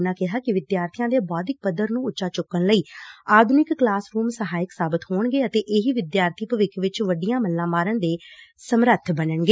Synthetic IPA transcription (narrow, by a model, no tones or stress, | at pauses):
naːkɪɦaːkɪʋɪd̪jaːɾt̪ʰɪjãːd̪eːbɔːd̪ɪk̚pəd̪əɾnũːʊtːʃaːt͡ʃʊkːənləiːaːd̪ʱʊnɪkːlaːsɾuːmsəɦaːɪksaːbət̪ɦoːɳɡeːət̪eːʔɪɦiːʋɪd̪jaːɾt̪ʰiːpəʋɪkʋɪt͡ʃʋəɖɪjãːməlːãːmaːɾənd̪eːsəmɾət̪ʰbənəɳɡeː